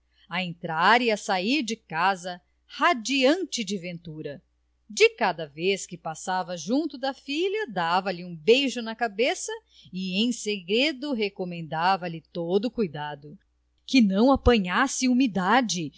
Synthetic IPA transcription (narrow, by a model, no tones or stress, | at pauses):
ɐẽnt̪ɾaɾiɐsaiɾd͡ʒɪkazɐ | had͡ʒiɐ̃nt͡ʃɪd͡ʒɪvẽnt̪uɾɐ | d͡ʒɪkad̪ɐveskɪpasavɐʒũnt̪ʊd̪ɐfiʎɐd̪avɐlɪũbejʒʊnɐkabesɐ | iẽj̃seɡɾed̪ʊɦekomẽnd̪avɐlɪt̪od̪ʊkujd̪ad̪ʊ | kɪnɐ̃w̃apɐ̃ɲasɪumid̪ad͡ʒɪ